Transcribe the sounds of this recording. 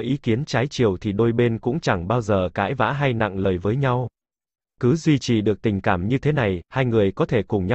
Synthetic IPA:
ʔi˨˦ki˨˦ənt͡ɕaː˨˦jt͡ɕi˨˩əwt̪ʰi˨˩ɗo˧jɓe˧nkʊ̰˧˥ŋ͡mt͡ɕa˧˩ŋɓaː˧wzəː˨˩kaː˨˦jva̰ː˧˥ɦa˧jna̰˧˨ŋləː˨˩jvəː˨˦jɲa˧w | kɨ˨˦zwi˧t͡ɕi˨˩ɗɨ˨˩ək̚t̪ï˨˩ŋ̟kaː˧˩mɲɨ˧t̪ʰe˨˦na˨˩jhaː˧jŋɨ˨˩əjkɔ˨˦t̪ʰe˧˩kʊ˨˩ŋ͡mɲa˧

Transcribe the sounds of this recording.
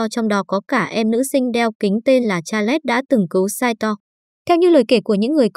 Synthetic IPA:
ɔ˧t͡ɕɔ˧wŋ͡mɗɔ˨˦kɔ˨˦kaː˧˩ʔɛ˧mnɨ̰˧˥sï˧ŋ̟ɗɛ˧wkï˨˦ŋ̟t̪e˧nlaː˨˩t͡ɕaː˧lɛ˦˥t̚ɗa̰ː˧˥t̪ɨ˨˩ŋkɨ˨˦wsaː˧jt̪ɔ˧ | t̪ʰɛ˧wɲɨ̰˧˥ləː˨˩jke˧˩ku˧˩əɲɨ̰˧˥ŋːɨ˨˩əjk

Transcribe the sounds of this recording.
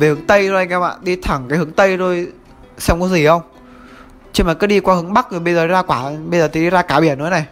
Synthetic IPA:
ve˨˩hɨ˨˩˦ŋt̪ə˧jzo˧ha˧ŋɛ˧wmʔa̰ː˧˨ɗi˧t̪ʰa˧˩ŋkaː˨˦hɨ˨˦ə˦ŋt̪ə˧jzo˧j | sɛ˧ŋ͡mku˨˦zi˧˩hə˧wŋ͡m | t͡ɕi˧maː˨˩kəː˨˦˥ɗi˧kwaː˧hɨ˨˦əŋɓa˦˥k̚zo˨˩ɓə˧jzəː˨˩ɗi˨˦zaː˧kwaː˧˩ɓə˧jzəː˨˩t̪ʰːɗi˧˩zaː˧kaː˧˩ɓi˧˩ənːu˧˦na˨˩j

